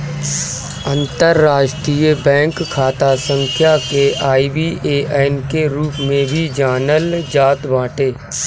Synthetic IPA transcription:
ə̃nt̪əɾːaːʃʈɾiːjəbɛ̃ːŋkʰːaːt̪asə̃ŋkʰjakeʔaːibiʔeːɛːnkeɾuːpmẽbʱid͡ʒaːnəld͡ʒaːt̪ʋãːʈeː

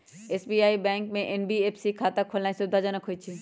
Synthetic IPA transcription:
eːsbiːaːibɛ̃ːŋkmẽʔenbieːpsikʰaːt̪akʰolnaːĩsʊd̪ʱad͡ʑɐnɐkʰoit͡ʃʰi

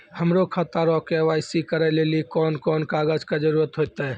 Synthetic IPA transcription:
həmɾokʰat̪aɾɔkeʋaːɪsikəɾɛlelikɔːnkɔnkaɡəd͡ʒkad͡ʒəɾuɾət̪ɦojt̪ɛɛ

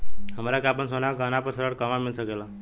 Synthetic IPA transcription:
həmɾakapəɳsonaɡənapəɾsəɾəɽkəmamilsəkela

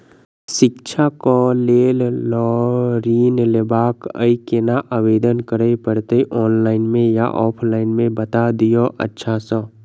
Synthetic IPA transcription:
ʃɪkt͡ʃʰakoleːllɔɾiːnlebaːkə̰ikenaʔaʋeːd̪ənkəɾəipəɽt̪eʔɔːnlaːɪnmẽja̰ʔɔːpʰlaːɪnmẽbət̪ad̪ijoʔə̰tːʃʰasɔ̃

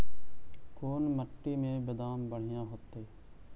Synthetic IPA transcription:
koːnməʈːiːmẽːbəd̪aːmbəɳ̤ɪjãːɦoːt̪eː

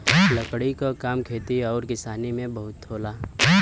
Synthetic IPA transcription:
lɐkɽikokaːmkʰeːt̪iɔːɾkɪsaːnimẽbɐɦʊt̪ʰːoːlaː

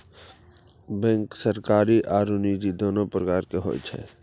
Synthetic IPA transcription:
bɛ̃ːŋksəɾkaːɾiʔaːɾuːnid͡ʒid̪oːnopɾəkaːɾkeɦo̰ːt͡ʃʰɛ̰ː

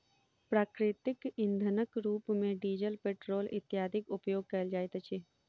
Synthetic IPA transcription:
pɾaːkɾɪt̪ɪkɪnd̪ʱənəkɾuːpmẽɖiːd͡ʒəlpeːʈɾoːlɪt̪jaːd̪ʱɪkʊpjoːɡ̚kɐld͡ʒaːjt̪t͡ʃʰi

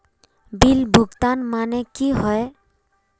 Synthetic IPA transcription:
bilbʱuɡt̪anmanɛkiɦɔj

